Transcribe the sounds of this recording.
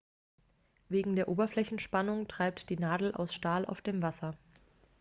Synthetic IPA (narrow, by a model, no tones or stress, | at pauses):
veːɡŋ̩deːɐʔoːbɐflɛçn̩ʃpanʊŋtʁ̥aɪp̚td̥iːnaːdl̩ʔa̰ʊsʃtaːlʔa̰ʊfd̥eːmvasɐ